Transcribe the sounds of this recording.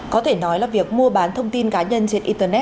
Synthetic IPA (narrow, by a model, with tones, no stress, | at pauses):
kɔ˨˦t̪ʰe˧˩nɔ˨˦jlaː˨˩vi˨˩ək̚mu˧əɓaː˨˦nt̪ʰə˧wŋ͡mt̪i˧nkaː˨˦ɲə˧nt͡ɕe˧nʔi˧t̪əː˧nɛ˦˥